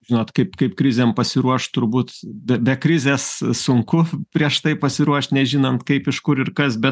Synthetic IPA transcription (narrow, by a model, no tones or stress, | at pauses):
ʒʲinɔːt̪kɐɪpkɐɪpkɾʲɪzʲeːmpɐsʲɪɾuɔʃt̪ʊɾbuːt̪bʲɛbʲɛkɾʲɪzʲeːssʊŋkʊpʲɾʲiɛʃt̪ɐɪpɐsʲɪɾuɔʃt̪nʲɛʒʲiːnɐnt̪kɐɪpɪʃkʊɾɪrkɐsbʲɛt̪